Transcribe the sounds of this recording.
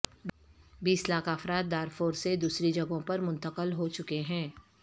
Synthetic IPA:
biːslaːkʰaːfɾaːt̪̚ːaːɾfoːɾsed̪uːsɾid͡ʒɐɡõpɐɾmʊ̃nt̪əqəlɦot͡ʃʊkeɦɛ̃ː

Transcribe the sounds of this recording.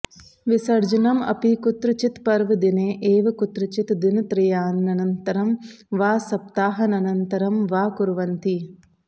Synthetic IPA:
ʋisɐɾd͡ʒɐnɐmɐ̰pikut̪ɾut͡ʃit̪pɐɾʋɐd̪ineːʔeːʋɐkut̪ɾut͡ʃit̪d̪int̪ɾɪjaːnːɐnɐnt̪ɐɾɐm | ʋaːsɐp̚t̪aːɦɐnɐnɐnt̪ɐɾɐmʋaːkuɾʋɐnt̪i

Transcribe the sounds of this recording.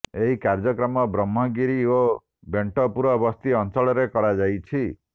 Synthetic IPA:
eɦikaɾd͡ʒɔkɾɔmɔbɾɔmːɔɡiɾio | beɳʈɔpuɾɔbɔst̪iɔnt͡ʃɔɭɔɾekɔɾad͡ʒajt͡ʃʰi

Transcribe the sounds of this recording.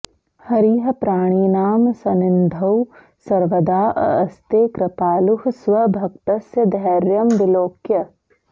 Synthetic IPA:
hɐɾiːɦɐpɾaːɽ̃iːnaːmsɐnɪnd̪ʱɐw | sɐɾʋəd̪aːʔɐst̪eːkɾɐpaːluhsʋɐbʱɐk̚t̪ɐsjɐd̪ʱɐːɾjɐmʋɪloːkjɐ

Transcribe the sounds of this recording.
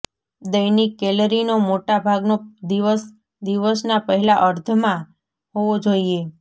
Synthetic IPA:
d̪əjnikɛləɾinomoʈabʱaɡnod̪iʋəs | d̪iʋəsnapəɦɛlaʔəɾt̪ʰəmã | ɦoʋod͡ʒoie

